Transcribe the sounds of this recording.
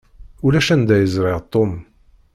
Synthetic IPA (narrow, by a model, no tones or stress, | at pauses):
ulæʃænd̪æjəzɾɪʁt̪ˤːom